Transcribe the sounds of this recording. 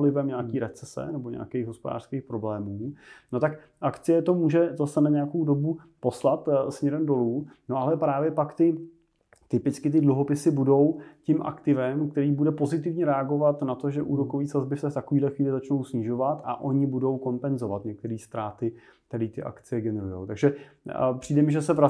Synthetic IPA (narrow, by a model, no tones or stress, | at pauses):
lɪvɛmɲaːkiːɾɛt͡sɛsɛ̰nɛbo̞ɲɛ̰akɛjɣɦospoda̰ːrskejxpɾo̞blɛːmuːno̞t̪ak | ʔakt͡sɪjɛt̪o̞muːʒɛzasɛnaɲɛjako̞wdo̞bu | po̞slat̪smɲɛɾɛmdo̞luːno̞ʔalɛpɾaːvjɛpakt̪ɪ | t̪ɪpɪt͡skɪt̪̬ɪdluɦo̞pɪsɪbudo̞wcɪmʔa̰kt̪ɪvɛmkt̪ɛɾiːbudɛpo̞zɪt̪ɪvɲɛɾɛaɡo̞vat̪nat̪o̞ʒɛʔṵːɾo̞koviːsazbɪfsɛft̪akoviːdlɛxviːlɪzat͡ʃno̞wsɲɪʒo̞vat̪a̰ʔo̞ɲɪbudo̞wko̞mpɛnzo̞vat̪ɲɛk̚t̪ɛɾiːst̪ɾaːt̪ɪ | t̪ɛɾɪt̪ɪʔa̰kt͡sɪjɛɡɛnɛɾujo̰wt̪aɡʒɛpr̝̥iːdɛmɪʒɛsɛvɾa